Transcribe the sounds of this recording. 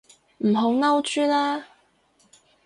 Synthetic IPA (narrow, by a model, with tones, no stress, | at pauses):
m̩˨˩ɦo˨˥wŋɐ˥wt͡ʃyː˥laː˥